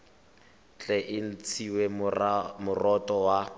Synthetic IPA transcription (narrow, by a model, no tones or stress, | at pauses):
t͡ɬʼɛʔɪn̩t͡sʰiwemʊrɔtʼɔwa